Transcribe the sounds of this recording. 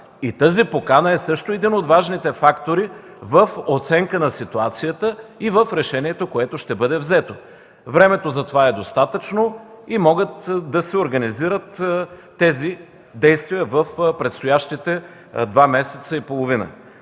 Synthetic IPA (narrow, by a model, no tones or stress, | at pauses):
it̪əzipokanəɛsɤʃt̪oɛd̪inod̪vaʒnit̪ɛfakt̪oɾi | vəfot̪sɛŋkənɐsit̪uat̪sijət̪əivəfɾɛʃɛniɛt̪okoɛt̪oʃt̪ɛbɤd̪ɛvzɛt̪o | vɾɛmɛt̪ozɐt̪ovaɛd̪ost̪at̪ət͡ʃno | imɔɡət̪d̪ɐsɛoɾɡɐniziɾət̪ː | ɛzi | d̪ɛjst̪viəvəfpɾɛt̪st̪ojaʃt̪it̪ɛ | d̪vamɛsɛt̪səipolˠovinə̰